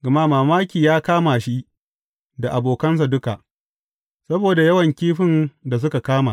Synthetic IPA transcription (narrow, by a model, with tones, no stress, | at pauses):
ɡɐ˨ma˦maː˨maː˦kʲiː˨jaː˦kaː˦maː˨ʃi˦ʔ | da˨ʔa˨boː˨kɐ˦ns̬a˨dʊ˦ka˨ʔ | sɐ˦boː˨da˨jɐ˦wɐ˨ŋkʲiː˦ɸɪ˦nda˨s̬ʊ˦ka˨kaː˦ma˨